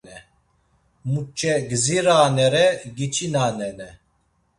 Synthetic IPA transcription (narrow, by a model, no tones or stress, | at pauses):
ɛ | mut͡ʃʰʼːɛɡziɾaːnɛɾɛɡit͡ʃʰinaːnɛnɛ